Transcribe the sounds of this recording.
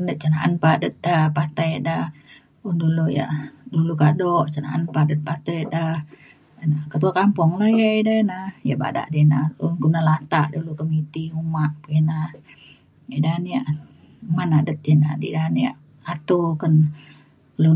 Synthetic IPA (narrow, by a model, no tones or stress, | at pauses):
nət̪̚t͡ʃənaʔa̰npaʔdət̪̚dahpat̪ajəʔdah | unduluja̰ʔdulukadɔʔt͡ʃəna̰ʔanpaʔdət̪̚pat̪əjəʔdah | nakət̪uakampɔŋləjaʔidənaja̰ʔba̰da̰ʔdinaṵnkunalat̪aʔdulukəmit̪iumaʔpəina | idaniaʔ | umanaʔdət̪̚ina̰dḭdaniaʔ | at̪ukən | lu